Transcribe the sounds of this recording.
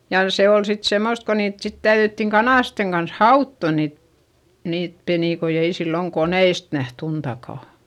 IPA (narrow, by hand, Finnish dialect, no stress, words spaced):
jɑˑ se ol sit semːost ko niːt sit tæyðytːiŋ kɑnɑˑsteŋ kɑns hɑutːo niːt niːt peniˑkoi ei silːoŋ koneist næht untɑkɑˑ